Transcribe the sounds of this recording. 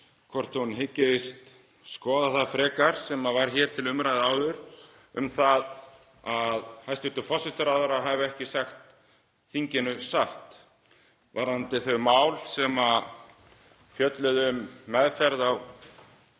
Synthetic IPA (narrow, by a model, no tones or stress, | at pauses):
kʰvɔr̥t̪hunɦɪcːɪðɪst̪ | skɔːðaθaðfɾɛːkaɾ̥sɛmavaɾ̥çɛɾ̥t̪ʰɪlʏmɾajðaːwðʏɾ̥ | ʏ̰mθað | aðhajst̪ɪt̪ʏfɔsɪst̪aɾaðʏɾaɦavʏɛhcɪsaxt̪ | θiɲcɪnʏsaht̪ | vaɾant̪ɪθœɥmaːwlsɛma | fjœt̪lʏðʏmːɛðfɛɾðaw